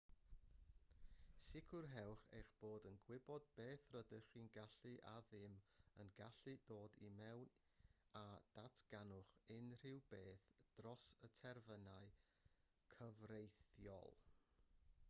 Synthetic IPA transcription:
sɪkʰʊrɦɛwχḛjχb̥oːdənɡwɪbɔd̚beːθrədəχiːnɡaɬɨʔa̰ðɪmənɡaɬɨdoːdimɛwn | ad̥atʰɡ̥anʊχɪnr̥ɪwbeːθd̥rɔsətʰɛrvənaɨ | kʰəvrejθjɔ̰lˠ

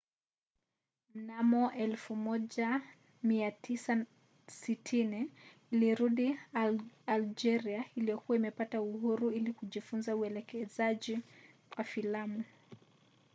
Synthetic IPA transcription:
m̩namɔʔɛlfumɔʄa | miatʰisa | sitʰiniː | liɾuɗi | ald͡ʒɛɾiailijɔkuwaimɛpatauhuɾuilikuʄifunzauɛlɛkɛzaʄi | wafilamu

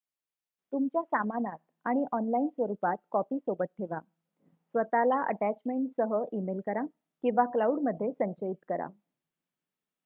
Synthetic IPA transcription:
t̪umt͡ɕjasamanat̪̚ | aɽ̃iʔɔnlainsʋəɾupat̪kɔpiːsobət̪̚ʈʰeʋa | sʋət̪alaʔə̰ʈæt͡ɕmeɳʈsəɦəʔimelkəɾa | kĩʋaklauɽməd̪ʱːjesəɲt͡ɕəit̪kəɾa̰

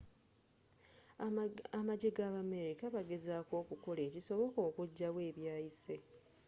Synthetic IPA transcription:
amaɟeɡaβame̞ɾikaβaɡe̞zaːko̞ːkuko̞leːciso̞βo̞ko̞ːkuɟːawe̞ːβjaːjise̞

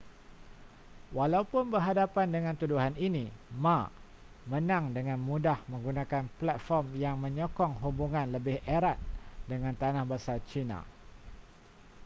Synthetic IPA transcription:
walaupʊnbərɦadapandəŋãnt̪uduɦaninĩma | mə̃nãŋdəŋãnmũdahmə̃ŋɡunãkanplat̪̚fɔrmjaŋmə̃ɲɔkɔŋɦubuŋãnləbɪhʔeɾat̪̚dəŋãnt̪anahbasart͡ʃina̰

